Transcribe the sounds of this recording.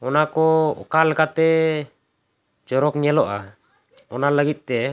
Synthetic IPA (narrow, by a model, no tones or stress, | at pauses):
ɔnakɔɔ̰kalkat̪ɛ | d͡ʒɔɾɔkɲalɔʔa̰ | ɔnalaɡit̪̚t̪ɛ